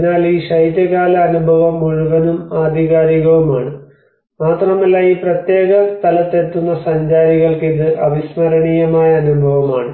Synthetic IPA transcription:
naːliːɕɐjd̪jɐɣaːlɐːnubʱɐʋɐmuɻuʋɐnumaːd̪ʱiɣaːɾiɣɐʋumaːɳɨ | maːt̪rɐmɐlːaːiːprɐt̪je̞ːɣɐst̪ʰɐlɐt̪ːet̪ːunːɐsɐɲd͡ʑaːɾiɣɐɭkiðɨʔɐʋismɐɾɐɳijɐmaːjɐːnubʱɐʋɐmaːɳɨ

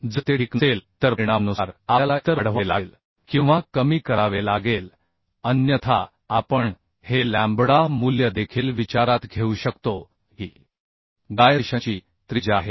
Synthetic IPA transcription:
d͡zət̪eɽikselt̪əɾɾiɽ̃amnəsɾalat̪əɾəɽʋela̰l | kĩw̃ʋakəmiːkəɾaʋelaɡel | ənjət̪ʰa̰ | apəɳ | helæ̃mbɽamuljəd̪ekʰiːlʋit͡ɕaɾat̪ɡʱeuɕəkt̪o | ɦiː | ɡ̪ajəɕãt͡ɕiː | t̪ɾid͡ʑaɦe

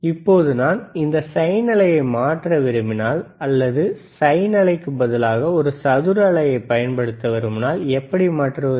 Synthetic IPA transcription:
ɪpːoːðɯnaːnɪnd̪ɐsɐjnɐlɐjɐɪmaːʈrɐʋɪɾɯmɪnaːlɐlːɐðɯsɐjnɐlɐɪkːɯmbɐðɐlaːɣɐɔɾɯsɐðɯɾɐɭɐjɐɪpːɐjɐnpɐɽɯt̪ːɐʋɐɾɯmnaːlɛpːɐɽimaːʈrɐ

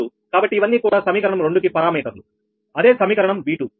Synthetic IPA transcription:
u | kaːbɐʈːiːʋɐnːiːkuːɽaːsɐmiːkɐɾɐɳɐmɾeɳɖukipɐɾaːmɛːkɐt̪lu | ɐd̪e̞ːsɐmiːkɐɾɐɳɐmʋiːʈu

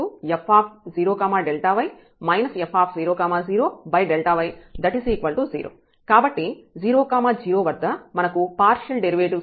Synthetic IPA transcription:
uepʰːaːpʰziːɾoːkaːmaːɖelʈaːʋɐj | mɐjnɐsepʰːaːpʰziːɾoːkaːmaːziːɾoːbɐjɖelʈaːʋɐjd̪ɐʈisiːkʋɐlʈuzḭːɾo̰ː | kaːbɐʈːiziːɾoːkaːmaːd͡ʒiːɾoːʋɐɾd̪ːɐmɐnɐkupaːɾʃɐlɖeɾiʋeːʈiʋ

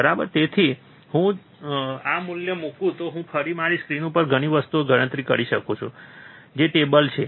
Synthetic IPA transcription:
bəɾabə̰ɾt̪et̪ʰi | ɦũ | amuljəmũkũt̪oɦũpʰəɾimaɾiskɾinũpəɾɡʱəɽ̃iʋəst̪ueɡʱəɾɽə̃nt̪ɾikəɾiʃəkot͡ʃʰud͡ʒeʈebəlt͡ʃʰe

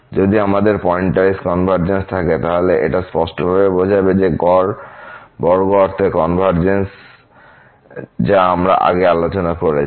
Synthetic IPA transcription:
d͡ʑod̪iamad̪eɾpɔeɳʈʈaiskɔnbʱaɾd͡ʑenst̪ʰaket̪aɦoleʔḛʈaspɔʃʈobʱabebod͡ʑʱabed͡ʑeɡɔɾbɔɾɡɔɔɾt̪ʰekɔnbʱaɾd͡ʑens | d͡ʑaamɾa̰ʔa̰ɡealot͡ɕonakoɾe

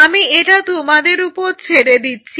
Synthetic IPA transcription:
amieʈat̪umad̪eɾupoɾt͡ɕʰeɽed̪itːɕʰi

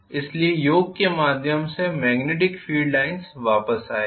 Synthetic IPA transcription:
ɪsliejoːɡ̚kemaːd̪ʱjəmsemɛːɡneːʈ̬ɪkfiːɖlaːɪnsʋaːpəsaːeː

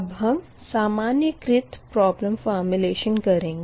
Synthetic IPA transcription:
bɦɐm | saːmaːnjəkɾɪt̪pɾɔːblə̃mfɔːɾmjuleːʃənkɐɾẽːɡ

